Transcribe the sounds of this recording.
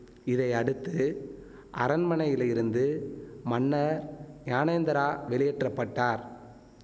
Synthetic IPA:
ɪðɐɪɐɽɯt̪ːɯ | ʔɐ̰ɾɐnmɐnɐjɪlɐɪɾɯnd̪ɯmɐnːɐɾɲaːnɐjnd̪ɐɾaːʋɛɭɪjɛʈrɐpːɐʈːaːɾ

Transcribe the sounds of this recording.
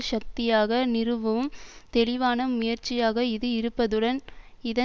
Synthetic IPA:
ʃɐk̚t̪ɪjaːɣɐnɪrɯʋɐʋɯmt̪ɛɭɪʋaːnɐmʊjɐɾt͡ʃːɪjaːɣɐɪðɯɪɾɯpːɐðɯɽɐn | ɪðɐ

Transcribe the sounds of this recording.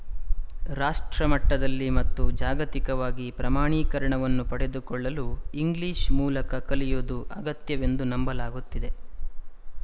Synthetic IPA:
ɾaːʂʈɾɐmɐʈːɐd̪ɐlːimɐt̪ːud͡ʒaːɡɐt̪ikɐʋaːɡipɾɐmaːɳiːkɐɾɐɳɐʋɐnːupɐɽe̞d̪ukɔɭːɐluiŋɡliːʃmuːlɐkɐkɐlijoːd̪uʔɐɡɐt̪jɐʋe̞nd̪unɐmbɐlaːɡut̪ːid̪e̞

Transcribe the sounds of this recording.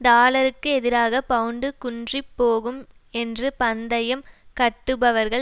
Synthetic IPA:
nd̪aːɭɐɾɯkːɯɛðɪɾaːɣɐpɐɯɳɖɯkʊndripːoːɣɯm | ɛndrɯpɐnd̪ɐjɐmkɐʈːɯbɐʋɐɾɣɐɭ

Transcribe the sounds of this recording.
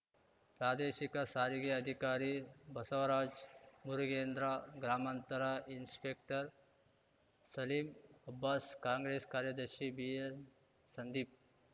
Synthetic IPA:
pɾaːd̪eʃikasaːɾiɡiɐd̪ʱikaɾibʱɐsəʋɾaːd͡ʒmuɾɡeːnd̪ɾaɡɾaːmant̪əɾainspek̚ʈəɾ | sɐliːmɐbːaskaːŋɡɾeskaːɾjɐd̪əɾʃibie | sɐnd̪iːp̚

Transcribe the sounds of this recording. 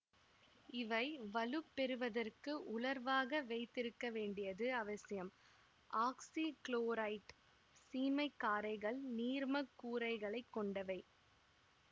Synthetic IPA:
ɪʋɐɪʋɐlɯpːɛɾɯʋɐðɐrkɯʔʊɭɐɾʋaːɣɐʋɐɪt̪ːɪɾɯkːɐʋeːɳɖɪjɐðɯɐʋɐsɪjɐm | ʔaːksikɭoːɾɐɪʈ | siːmɐɪkːaːɾɐɪɣɐɭniːɾmɐkːuːɾɐɪɣɐɭɐɪkːɔɳɖɐʋɐɪ

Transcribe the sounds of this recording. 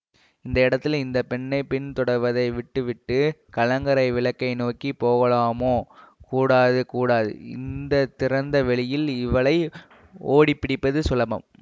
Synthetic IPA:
ɪnd̪ɐɪɽɐt̪ːɪlɪnd̪ɐpɛɳːɐɪpɪnt̪ɔɽɐɾʋɐðɐɪʋɪʈːɯʋɪʈːɯkɐlɐŋɡɐɾɐɪʋɪɭɐkːɐɪnoːkipoːɣɐɭaːmoːkuːɽaːðɯkuːɽaːðɯ̰ɪ̰nd̪ɐt̪ːɪɾɐnd̪ɐʋɛɭɪjɪlɪʋɐɭɐɪ | oːɽipːɪɽɪpːɐðɯsʊlɐbɐ̰m

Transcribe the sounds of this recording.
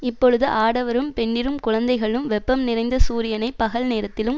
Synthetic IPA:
ɪpːɔɻɯðɯʔaːɽɐʋɐɾɯmpɛɳːɪɾɯmkʊɻɐnd̪ɐɪɣɐɭɯmʋɛpːɐmnɪrɐɪnd̪ɐsuːɾɪjɐnɐɪpːɐɣɐɭneːɾɐt̪ːɪlɯm

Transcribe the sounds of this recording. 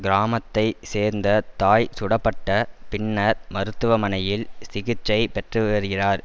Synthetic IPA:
ɡɪɾaːmɐt̪ːɐɪseːɾnd̪ɐt̪aːjsʊɽɐpːɐʈːɐpɪɳːɐɾmɐɾɯt̪ːɯʋɐmɐnɐjɪlsɪɣɪt͡ʃːɐɪpɛʈrɯʋeɾɯɣɪraːɾ

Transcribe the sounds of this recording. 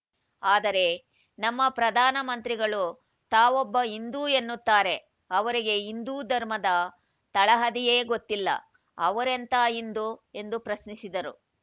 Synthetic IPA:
aːd̪ɐɾe̞ | nɐmːɐpɾɐd̪ʱaːnɐmɐnt̪ɾiɡɐɭu | t̪aːʋɔbːɐind̪uːe̞nːut̪ːaːɾe̞ | ɐʋɐɾiɡe̞ind̪uːd̪ʱɐɾmɐd̪ɐ | t̪ɐɭɐɦɐd̪ijeːɡo̞t̪ːilːɐ̰ | ɐʋɐɾent̪aːind̪ue̞nd̪upɾɐsnisid̪ɐɾu

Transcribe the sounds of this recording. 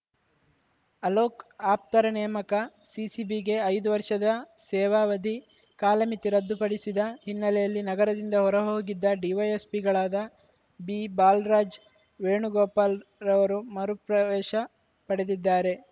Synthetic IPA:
ɐloːkaːp̚t̪ɐɾɐnɛjɐmɐkɐ | sisibiɡe̞ɐjd̪uʋɐɾʂɐd̪ɐsɛːʋaːʋɐd̪ʱi | kaːlɐmit̪iɾɐd̪ːupɐɽisid̪ɐɦinːɐlɛjɐlːinɐɡɐɾɐd̪ind̪ɐɦɔɾɐɦoːɡid̪ːɐɖiʋɐjespiɡɐɭaːd̪ɐ | biːbaːlɾaːd͡ʒ | ʋeːɳuɡoːpaːlɾɐʋɐɾumɐɾupɾɐʋɛːʃɐ | pɐɽed̪id̪ːaːɾe̞

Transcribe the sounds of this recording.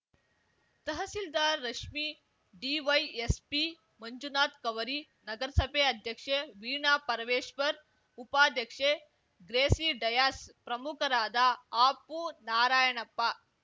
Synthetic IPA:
t̪ɐɦɐsild̪aːɾːɐʂmi | ɖiːʋɐjespi | mɐɲd͡ʒunaːt̪kɐʋɐɾiː | nɐɡɐɾsɐbeɐd̪ʱjɐkʂeʋiːɳaːpɐɾɐʋeːʃpɐɾ | upaːd̪jɐkʂe | ɡɾeːsiːɖɐjaːspɾɐmukʰɐɾaːd̪aːpuːnaːɾaːjɐɳɐpːaː

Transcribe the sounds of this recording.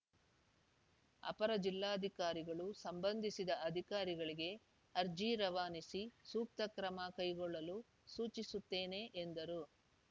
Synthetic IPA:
ɐ̰pɐɾɐd͡ʒilːaːɐd̪ʱikaːɾiɡɐɭusɐmbɐnd̪ʱisid̪ɐʔɐd̪ʱikaːɾiɡɐɭiɡe̞ | ɐɾd͡ʒiːɾɐʋaːnisisuːp̚t̪ɐkɾɐmɐkɐjɡɔɭːɐlu | suːt͡ʃisut̪ːe̞ːne̞ːʔend̪ɐɾu

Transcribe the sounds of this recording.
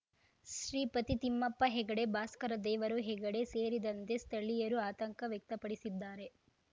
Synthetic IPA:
ʃɾiːpɐt̪it̪imːɐpːɐɦɛɡɐɽe̞baːskɐɾɐd̪ɛːʋɐɾuɦɛɡɐɽe̞seːɾid̪ɐnt̪e̞st̪ʰɐɭijɐɾuaːt̪ɐŋkɐʋjɛk̚t̪ɐpɐɽisid̪ːaːɾe̞

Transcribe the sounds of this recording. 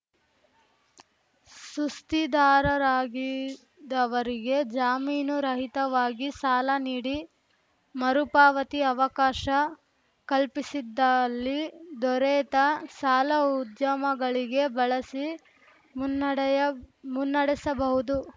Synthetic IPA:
sust̪id̪aːɾɐɾaːɡi | d̪ɐʋɐɾiɡe̞d͡ʒaːmiːnuɾɐɦit̪ɐʋaːɡisaːlɐniːɽi | mɐɾupaːʋɐt̪iɐʋɐkaːʃɐ | kɐlpisid̪ːɐlːid̪ɔɾɛːt̪ɐsaːlɐud̪jɐmɐɡɐɭiɡe̞bɐɭɐsi | munːɐɽisɐbɐɦud̪u

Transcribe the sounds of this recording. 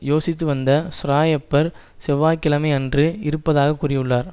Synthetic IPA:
joːsɪt̪ːɯʋɐnd̪ɐsʊɾaːjɐpːɐɾ | sɛʋaːkːɪlɐmɐɪɛndrɯɪɾɯpːɐðaːɣɐkːʊrɪjɯɭːaːɾ

